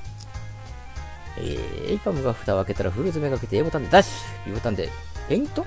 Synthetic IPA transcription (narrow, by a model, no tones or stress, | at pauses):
ḛːḛipamɯ̟ɡaɸɯ̟̥t̪aake̞t̪aɾaɸɯɾɯzɨmeɡaket̪eːbot̪ãnd̪e̞d̪aɕi̥ | jɯ̰bot̪and̪e̞̰ | pẽŋt̪o